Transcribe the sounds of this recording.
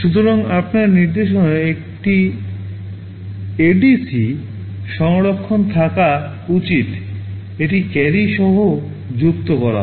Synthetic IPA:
ʃut̪̬oɾoŋapnaɾniɾd̪eʃoneek̚ʈi | eɖisi | ʃɔŋɾokʰːont̪ʰaka | ut͡ɕit̪ | eʈikɛɾiʃɔɦo | d͡ʑukt̪okɔɾa̰

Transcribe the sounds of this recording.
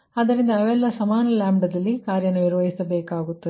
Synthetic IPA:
ɐd̪ɐɾind̪ɐːʋɛlːɐsɐmaːnɐlaːmɖɐd̪ɐlːikaːɾjɐnuniɾʋɐɦisɐbɛːkaːɡut̪ːɐe

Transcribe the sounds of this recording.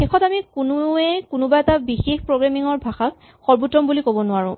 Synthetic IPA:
xɛxʰɔtamikunʊɛkʊnʊbaɛtabixexpɹoɡɹamiŋɔɹbʱaxak̚ | xɔɹbutːɔmbulikobɔnʊaɹʊ̃

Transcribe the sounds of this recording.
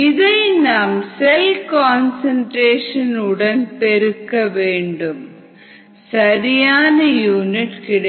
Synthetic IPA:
iðenːaːmselkoːnsɐɳɖɾeːʂɐnuɽɐnpeɾukːɐʋeːɳɖum | sɐɾijaːnɨjuːniʈkiɽ

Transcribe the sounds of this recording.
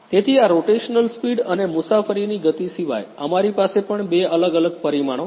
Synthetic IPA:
t̪et̪ʰiaɾoʈeʃnəlspiɽənemʊsafəɾiniɡət̪isiʋa̰jəmaɾipasepəɳbeələɡələɡ̚pəɾimaɽ̃o

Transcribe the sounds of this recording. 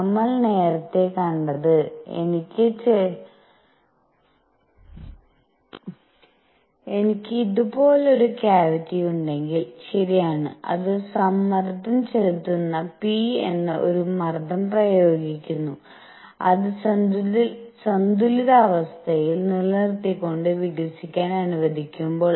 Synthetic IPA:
ɐmːɐɭne̞ːɾɐt̪ːe̞kɐɳɖɐðɨe̞̰nikʲːɨt͡ɕe | e̞nikʲːɨiðupo̞ːleo̞ɾukjaːʋitːijuɳɖe̞ŋɡilɕɐɾijaːɳɨ̰ɐ̰ðɨsɐmːɐrd̪ʱɐmt͡ɕelit̪ːunːɐpienːɐʔo̞ɾumɐrd̪ʱɐmprɐjo̞ːɡikʲːunːu | ɐðɨsɐ | sɐnd̪uliðɐːʋɐst̪ʰɐjilnilːɐrt̪ːikːo̞ɳɖɨʋiɡɾɐsikʲːaːnɐnuʋɐd̪ʱikʲːumbo̞ːɭ

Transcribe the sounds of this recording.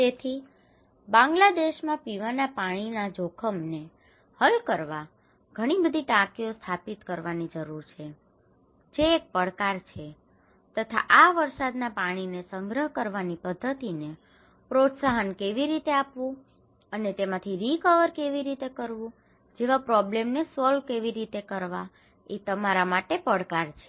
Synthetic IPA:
t̪et̪ʰi | bãŋɡlad̪eʃmãpiʋanapaɽ̃inad͡ʒokʰəmne | həlkəɾʋa | ɡ̥ʱəɽ̃ibəd̪ʱiʈakiost̪ʰapit̪kəɾʋanid͡ʒəɾuɾt͡ʃʰe | d͡ʒeːk̚pəɽkaɾt͡ʃʰe | t̪ət̪ʰa̰ʔaʋəɾsad̪napaɽ̃inesəŋɡɾəɦkəɾʋanipəd̪ʱːət̪ine | pɾot̪saɦənkeʋiɾit̪eapʋũ | ənet̪emãt̪ʰiɾikəʋəɾkeʋiɾit̪ekəɾʋũ | d͡ʒeʋapɾɔblemnesɔlʋkeʋiɾit̪ekəɾʋa | et̪əmaɾamaʈepəɽkaɾt͡ʃʰe̥

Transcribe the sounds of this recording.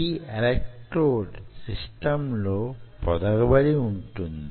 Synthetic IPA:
iɐlekʈɾoːɖsisʈɐmloːpɔd̪ɐɡɐbɐɾiuɳʈund̪i

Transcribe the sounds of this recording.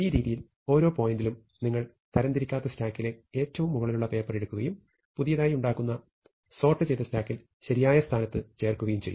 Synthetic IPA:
iːɾiːðijil | o̞ːɾo̞ːpo̞ːjindilum | niŋːɐɭ | t̪ʰɐɾɐnd̪iɾikʲːaːt̪ːɐstaːkːile̞eːtːɐʋumːuɣɐɭiluɭːɐpe̞ːpːɐreɽukːuɣɐjum | puðijɐðaːjiuɳɖaːkːunːɐ | so̞ːrʈːɨt͡ɕejt̪ːɐstaːkːil | ɕɐɾijaːjɐst̪ʰaːnɐt̪ːɨt͡ɕe̞ːrkːuɣɐjumt͡ɕejːu

